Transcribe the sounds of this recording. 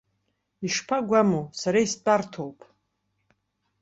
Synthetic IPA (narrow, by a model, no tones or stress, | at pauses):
iʂpʰaɡʷamusaɾaist͡pʼartʰowpʼ